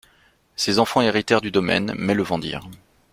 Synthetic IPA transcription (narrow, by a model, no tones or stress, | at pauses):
sezɑ̃fɑ̃eʁit̪ɛʁd̪yd̪ɔmɛ̰nmɛləvɑ̃d̪ḭːʁ